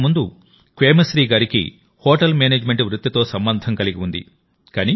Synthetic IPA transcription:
mund̪u | kʋeːmɐsɾiːɡaːɾikḭ | hoːʈɐlmeːneːd͡ʒme̞ɳʈʋɾut̪ːɐt̪o̞ːsɐmbɐnd̪ʱɐŋkɐliɡiund̪ḭ | kaːni

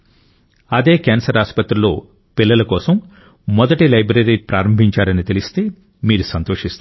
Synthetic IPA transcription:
ɐd̪e̞ːkɛːnsɐɾaːspɐt̪ɾulo̰ː | pilːɐlɐkɔːsɐmː | ɔd̪ɐʈilɐjbɾɐɾiːpɾaːɾɐmbʱiɲt͡ʃaːɾɐnit̪elist̪eː | miːɾusɐnt̪oːʂist̪a

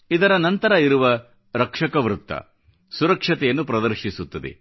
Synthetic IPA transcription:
id̪ɐɾɐnɐnt̪ɐɾɐiɾuʋɐ | ɾɐkʂɐkɐʋɾut̪ːɐ̰ | suɾɐkʂɐt̪ɛjɐnːupɾɐd̪ɐɾʃisut̪ːɐd̪ḛ

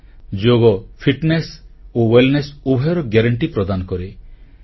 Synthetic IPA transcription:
d͡ʒoɡɔpʰiʈnesowelnesubʱajɾɔɡeɾɔɳʈipɾɔd̪anɔkɔɾe

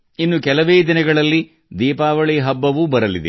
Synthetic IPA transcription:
inːukɛlɐʋeːd̪inɐɡɐɭɐlːi | d̪iːpaːʋɐɭiɦɐbːɐʋubɐɾɐlid̪e

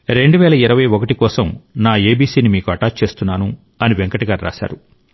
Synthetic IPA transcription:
ɾe̞ɳɖuʋɛːlɐiɾɐʋɐjɔkɐʈikɔːsɐmnaːeːbiːsiːnimiːkuɐʈaːt͡ʃe̞ːst̪unːaːnu | ɐniʋeŋkɐʈiɡaːɾɾa̰ːʃa̰ːɾu

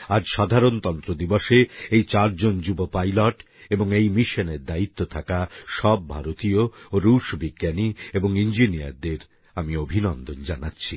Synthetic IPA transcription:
ad͡ʑʃad̪ʱaɾont̪ɔnt̪ɾod̪ibɔʃeejt͡ɕaɾd͡ʑond͡ʑubopajloʈ | eboŋejmiʃoneɾd̪ait̪ːot̪ʰakaʃɔbːʱaɾot̪iooɾuʃbiɡːjanieboŋind͡ʑinija̰ɾd̪eɾ | amiobʱinɔnd̪ond͡ʑanatːɕʰi

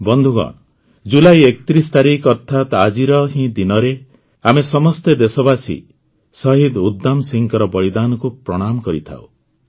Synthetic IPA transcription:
bɔnd̪ʱuɡɔ̰̃ɔ | d͡ʒulajekɔ̥t̪ɾist̪aɾikʰɔɾt̪ʰat̪ad͡ʒiɾɔɦĩd̪inɔɾe | amesɔmɔst̪ed̪esɔbasḭ | sɔɦid̪ud̪ːamsiŋkɔɾɔbɔɽid̪anɔkupɾɔɽ̃amɔkɔɾit̪ʰa̰w̰

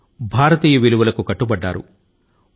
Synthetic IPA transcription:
bʱaːɾɐt̪iːjɐʋiluʋɐlɐkukɐʈːubɐɖːa̰ːɾṵ

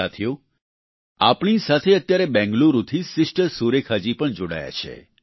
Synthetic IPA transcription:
at̪ʰjo | apɳ̃isat̪ʰeət̪ːjaɾebɛ̃ŋɡluɾut̪ʰisɪsʈəsuɾekʰad͡ʒipəɳd͡ʒoɽa̰ja̰t͡ʃʰḛ

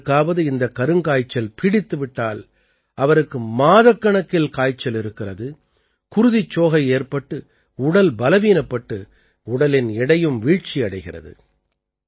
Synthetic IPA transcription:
kːaːʋɐðɯɪnd̪ɐkːɐɾɯŋkaːjt͡ʃːɐlpɪɽɪt̪ːɯʋɪʈːaːl | ɐʋɐɾɯkːɯmaːðɐkːɐɳɐkːɪlkaːjt͡ʃːɐlɪɾɯkːɪrɐðɯ | kʊɾʊðɪt͡ʃːoːɣɐɪeːrpɐʈːɯ | ʊɽɐlbɐlɐʋiːnɐpːɐʈːɯ | ʊɽɐlɪnɛɽɐjɯmʋiːɻt͡ʃːiɐɽɐɪɣɪrɐ̰ðɯ̰

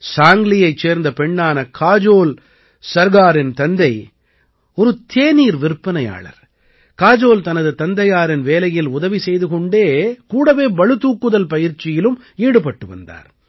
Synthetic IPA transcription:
saːŋɡlɪjɐɪt͡ʃːeːɾnd̪ɐpɛɳːaːnɐkʰaːd͡ʒoːl | sɐɾɣaːɾɪnt̪ɐnd̪ɐɪ | ɔɾɯt̪ʰeːniːɾʋɪɾpːɐnɐja̰ːɭɐ̰ɾ | kaːd͡ʒoːlt̪ɐnɐðɯt̪ɐnd̪ɐjaːɾɪnʋeːlɐjɪlʊðɐʋisɛjðɯkɔɳɖeːkuːɽɐʋeːbɐɭɯt̪uːkːɯðɐlpɐjɪɾt͡ʃːɪjɪlɯm | iːɽɯpɐʈːɯʋɐ̰nd̪a̰ːɾ

